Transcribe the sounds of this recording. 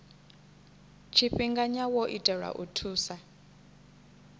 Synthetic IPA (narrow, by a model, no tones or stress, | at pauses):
t͡ʃʰiɸiŋɡaɲawɔʔitʼɛɺa̰ʔutʰuːsa